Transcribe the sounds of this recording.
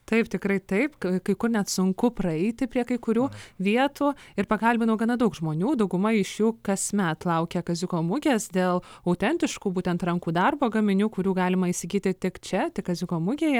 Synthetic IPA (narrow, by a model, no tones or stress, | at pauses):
t̪ɐɪpt̪ʲɪkɾɐɪt̪ɐɪpkɐɪkʊrnʲɛt̪sʊŋkʊpɾɐɛɪt̪ʲɪpʲɾʲiɛkɐɪkʊɾʲuːʋʲiɛt̪uːɪrpɐkɐlʲbʲɪnɐʊɡɐnɐd̪ɐʊkʒmoːnʲuːd̪ɐʊɡʊmɐɪʃjuːkɐsmʲɛt̪lˠɐʊkʲɛkɐzʲʊkoːmʊɡʲeːsd̪ʲeːlˠɐʊt̪ʲɛnʲt̪ʲɪʃkuːbuːt̪ʲɛnt̪rɐŋkuːd̪ɐrboːɡɐmʲɪnʲuːkʊɾʲuːɡɑːlʲɪmɐɪsʲɪɡʲiːt̪ʲɪt̪ʲɪkt͡ʃʲɛt̪ʲɪkːɐzʲʊkoːmʊɡʲeːjɛ